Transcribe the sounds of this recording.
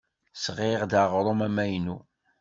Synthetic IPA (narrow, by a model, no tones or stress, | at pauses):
sʁeʁd̪aʁɾˤomæmæjnu